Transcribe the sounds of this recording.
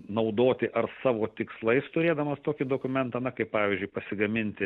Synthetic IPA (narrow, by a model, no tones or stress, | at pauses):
nɐʊd̪oːt̪ʲɪʔɐrsɑːʋoːt̪ʲɪkslˠɐɪst̪ʊɾʲeːd̪ɐmɐst̪oːkʲɪd̪oːkʊmʲɛnt̪ɐnɐkɐɪpɑːʋʲɪzʲd͡ʒʲʊɪpɐsʲɪɡɐmʲɪnʲt̪ʲɪ